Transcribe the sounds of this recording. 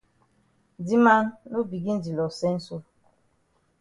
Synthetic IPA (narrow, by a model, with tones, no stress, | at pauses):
di˦ma˦nːo˦bi˨ɡi˦n̩˦di˨lɔ˨sɛ˦n̩˦so˦